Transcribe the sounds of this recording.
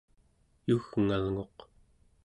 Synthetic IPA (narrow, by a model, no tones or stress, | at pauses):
juɣŋalŋo̞q